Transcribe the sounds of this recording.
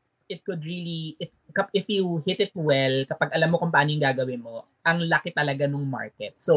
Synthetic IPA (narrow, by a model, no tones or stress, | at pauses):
ʔɪt̪̚kʊd̪̚ɹiliʔɪt̪̚kɐʔɪfjuhɪt̪ɪt̪̚wɛlkɐpɐɡɐlamːokʊmpaːnojɪŋɡaːɡɐwɪnmo | ʔɐŋlɐkɪt̪ɐlɐɡanʊŋma̰ɹkɛt̪̚so